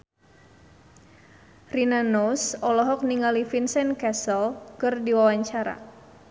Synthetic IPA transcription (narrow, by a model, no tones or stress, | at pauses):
rinanɔsɔlɔɦɔk̚niŋalifinsɛnkɛsəlkɨrdiwawaɲt͡ʃaɾa̰